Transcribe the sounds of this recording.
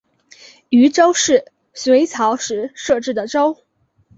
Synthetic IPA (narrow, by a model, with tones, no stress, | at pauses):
y˧˥ʈ͡ʂo˥ʊʂɻ̩˥˩ | swe˧˥ɪt͡sʰɑ˧˥ʊʂɻ̩˧˥ʂɤ˥˧ʈ͡ʂɻ̩˥˩d̪ə˩ʈ͡ʂo˥ʊ